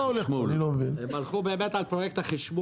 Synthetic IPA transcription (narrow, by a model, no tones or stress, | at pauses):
aolemuanilomevinhemalχubeːmet̪alpʁojek̚t̪haχiʃbu